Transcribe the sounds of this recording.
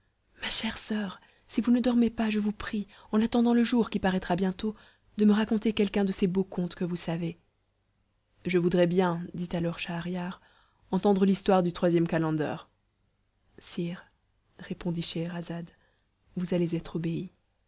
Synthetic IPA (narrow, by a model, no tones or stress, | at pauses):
maʃɛʁsœʁ | sivunəd̪ɔʁmepaʒəvupχi | ɑ̃nat̪ɑ̃d̪ɑ̃ləʒuʁkʲipaʁɛt̪χabjɛ̃t̪o | d̪əməʁakɔ̃t̪ekʲɛlkɛ̃d̪əsebokɔ̃t̪kəvusave | ʒəvud̪ʁɛbjɛ̃d̪it̪alɔʁʃaːʁjaʁ | ɑ̃t̪ɑ̃d̪ʁəlist̪waʁd̪yt̪χwazjɛmkalɑ̃d̪œ̰ːʁ | siːʁ | ʁepɔ̃d̪iʃeʁazad̪ | vuzalezɛt̪χobei